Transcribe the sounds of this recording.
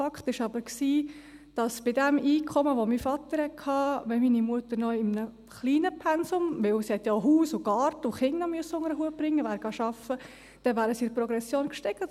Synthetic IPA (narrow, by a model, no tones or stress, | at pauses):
ɑkχt̪ɪʃɑbəɾksiː | d̥ɑsb̥ɪdɛmʔiːkʰχɔməʋɔmifɑt̪əɾhɛt̚kʰɑːʋɛminimuətəɾnɔɪmnə | χliːnəpʰɛnsʊmʋɪwsihɛt̪ːjaɦuːsʊɡ̥ɑːɾtəʊχɪŋnɔmyəsːəʊŋəɾəɦuəb̥ɾɪŋːəʋæːɾɡ̥ɑʃɑfə | d̥ɛʋæːɾəsiɪɾprɔɡɾɛsjoːnkʃtɛkt